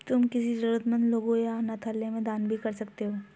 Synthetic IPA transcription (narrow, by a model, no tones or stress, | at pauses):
t̪ʊmkɪsid͡ʒɐɾuət̪mə̃nd̪loːɡõjanat̪ʰəɾlːemẽd̪aːnbʱikɐɾsɐkt̪eɦoː